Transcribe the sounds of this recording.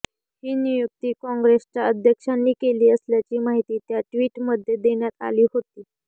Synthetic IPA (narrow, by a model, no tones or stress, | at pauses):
hiːnijuk̚t̪iːkɔ̃ŋɡɾest͡ɕaəd̪ʱjəkʂanːiːkeliːəsljat͡ɕiːmaɦit̪iːt̪jaʈʋiːʈməd̪ʱːjed̪eɳjat̪a̰liːɦot̪iː